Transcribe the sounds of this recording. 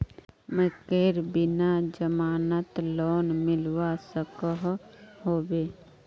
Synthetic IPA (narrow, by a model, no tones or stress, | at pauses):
mə̃keːɾbɪnad͡ʒəmaːnət̪lɔːnmɪlwasəkəɦɦoːbeː